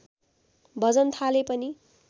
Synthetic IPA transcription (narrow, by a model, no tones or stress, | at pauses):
bʌd͡zʌnt̪ʰalepʌni